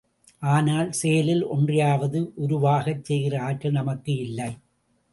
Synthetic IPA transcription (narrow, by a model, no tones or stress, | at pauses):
ʔaːnaːlsejɐlɪlʔɔndrɪjaːʋɐðɯʔʊɾʊʋaːɣɐt͡ʃsɛjɣɪrɐaːkːɐnɐmɐkːɯɪlːɐɪ